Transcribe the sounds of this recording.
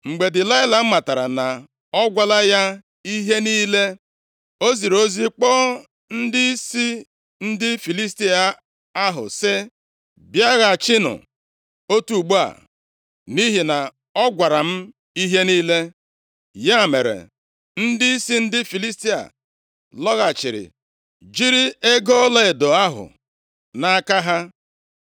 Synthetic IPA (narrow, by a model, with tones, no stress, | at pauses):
ŋ͡m̩˨ɡ͡be˨dɪ˨la˦ɪ˦la˨m̩˦ma˨ta˨ɾa˨na˨ | ɔ˦ɡʷa˦la˦ja˦ | i˦ɦe˦niː˦le˦ | o˦zi˨ɾo˦zi˦k͡pɔ˦ | n̩˦dɪ˦i˦si˦ | n̩˦dɪ˦fi˨li˦s̬ti˦a˨ | a˦ɦʊ̰˨sɪ˦ | bja˦ɣa˨t͡ʃɪ˦nʊ̰˨ | o˦tu˦˨ɡ͡bu˦a̰˨ | ni˦ɦi˨na˨ | ɔ˦ɡʷa˨ɾa˨m̩˦ | i˦ɦe˦niː˦le˦ | ja˦˨me˨ɾḛ˨ | n̩˦dɪ˦i˦si˦n̩˦dɪ˦fi˨li˦sti˦a̰˨ | lɔ˦ɣa˨t͡ʃɪ̰˨ɾɪ̰˨ | d͡ʒi˦ɾi˦e˦ɡo˦le˦e˨do˨a˦ɦʊ̰˨ | na˨˦ka˦ɦa˦